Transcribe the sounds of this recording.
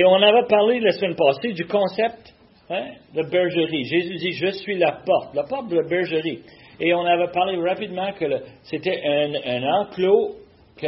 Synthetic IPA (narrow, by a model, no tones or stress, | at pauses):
eɔ̃navɛpaʁlelasmɛ̃npɑːsed̪ykɔ̃sɛp̚t̪ | ɛd̪əbɛʁʒəʁiʒezyd̪iʒəsɥilapɔʁt̪̚lapɔt̪̚d̪əəbɛʁʒəʁieɔ̃navɛpaʁleʁapid̪mɑ̃kələset̪ɛʔɛ̃nə̃nɑ̃klo | kə